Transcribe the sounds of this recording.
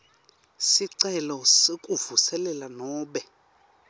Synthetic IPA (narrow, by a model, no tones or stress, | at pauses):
siǀɛlɔsekʼuvusɛlɛlanɔːɓɛ